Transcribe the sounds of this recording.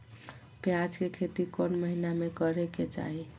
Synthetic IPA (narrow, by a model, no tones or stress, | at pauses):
pjad͡ʒkekʰet̪ikɔnməɦinamekʌɾeket͡ʃa̰ɦi